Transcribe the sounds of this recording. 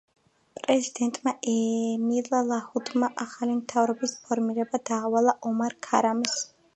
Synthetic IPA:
pʼɾɛzid̪̥ɛnt̪ʼmaɛmilˠalˠahud̪maʔaχalimt̪ʰavɾɔbispʰɔɾmiɾɛbad̪aːwalˠaʔɔmaɾkʰaɾams

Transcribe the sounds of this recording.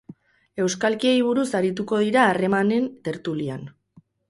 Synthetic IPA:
e̞wskalkie̞jβ̞uɾusaɾit̪̬uko̞ð̞iɾaːre̞mane̞nt̪e̞ɾt̪ulian

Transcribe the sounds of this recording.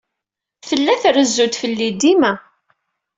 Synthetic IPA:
θəlːæθɾəzːut̪fəlːid̪imæ

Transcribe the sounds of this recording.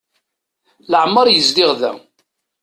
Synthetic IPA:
ləʕmːəɾˤjəzlɪʁðæ̰

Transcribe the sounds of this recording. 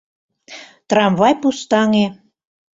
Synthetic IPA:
t̪rɑmvɑjpust̪ɑŋe

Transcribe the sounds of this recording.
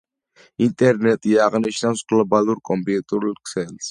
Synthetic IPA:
int̪ʼɛɾnɛt̪ʼiaʁniʃnawsɡ̥lɔbaluɾkʼɔmpʼiut̪ʼuɾulˠkʰsɛls

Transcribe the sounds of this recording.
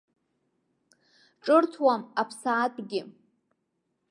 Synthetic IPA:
ʈ͡ʂʼɨrtʰwamapʰsaːtʷʼɡʲɪ

